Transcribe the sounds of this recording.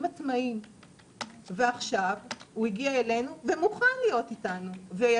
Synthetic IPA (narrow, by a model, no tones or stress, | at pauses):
mat͡smaim | veaχʃavhuiɡiaele̞nuvemuχanlijo̞titanuvej